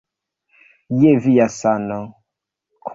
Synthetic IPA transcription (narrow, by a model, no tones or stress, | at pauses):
jeviasanɔ | kʰ